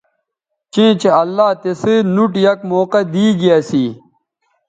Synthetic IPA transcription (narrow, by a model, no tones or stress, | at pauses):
t͡ɕẽːt͡ɕeɐlːaːt̪esɨnuʈjɐkmoːqɐd̪iːɡijaːsiː